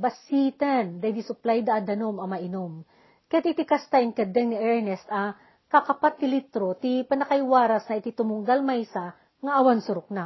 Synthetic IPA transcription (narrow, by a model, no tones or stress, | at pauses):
bɐsit̪and̪ɐd̪isʊplajd̪ɐːd̪ɐnomɐmɐʔɪnom | kɐjat̪ʔɪt̪ikɐst̪aɪŋkɐd̪ɛŋnɪʔɛɹnɛst̪ɐ | kɐkɐpat̪̚ːɪlit̪ɾot̪ipɐnɐkɐjwaːɾɐsnɐʔɪt̪it̪ʊmʊŋɡ̪almajsa | ŋɐʔɐwansʊɾok̚na